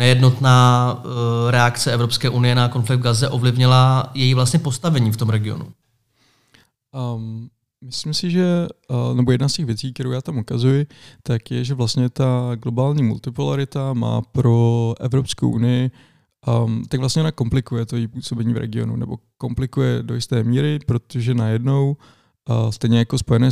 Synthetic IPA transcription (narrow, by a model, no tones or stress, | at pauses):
nɛjɛdno̞t̪naː | ɾɛakt͡sɛɛvɾo̞pskɛːʔunɪjɛnako̞nflɪɡ̚d̪ɡazɛʔo̞vlɪvɲɪlajɛjiːvlast̪ɲɛpost̪avɛɲiːft̪o̞mɾɛɡɪo̞̰nṵ | mɪslɪmsɪʒɛnɛbo̞jɛdnascɛɣvjɛt͡siːk̚t̪ɛɾowjaːt̪amukazujɪt̪akjɛʒɛvlast̪ɲɛt̪aɡlo̞baːlɲiːmṵlt̪ɪpulaɾɪt̪ama̰ːpɾo̞ʔɛvɾo̞psko̰wʔṵnɪjɪ | t̪aɡvlasɲɛonako̞mplɪkujɛt̪ojipuːso̞bɛɲiːvɾɛ̰ɡɪo̞̰nṵnɛ̰bo̞̰ko̞mplɪkujɛdo̞jɪst̪ɛːmiːɾɪpɾo̞t̪oʒɛnajɛdno̞w | st̪ɛjɲɛjako̞spo̞jɛnɛː